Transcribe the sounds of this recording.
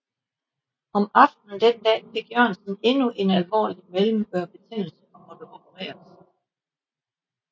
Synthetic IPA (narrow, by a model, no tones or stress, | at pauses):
ɒ̽mɑ̈fd̥̚n̩d̥end̥ɛ̰ːfe̝ɡ̥jɶɐ̰nsən̩e̝nuʔe̝nælʋɒ̰ːlimelm̩b̥ɶɐb̥e̝t͡sʰen̰l̩səɒmɒ̽d̥əɒb̥ʰəʁɛ̰ːɐs